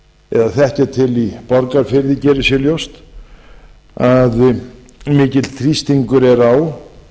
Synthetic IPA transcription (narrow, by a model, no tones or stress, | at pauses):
ɛðaθɛhcɛt̪ʰɪlipɔɾkaɾ̥fɪɾðɪcɛːɾɪsjɛljowst̪ | að | mɪːcɪt̪lt̪ʰɾist̪iŋkʏɾɛɾaw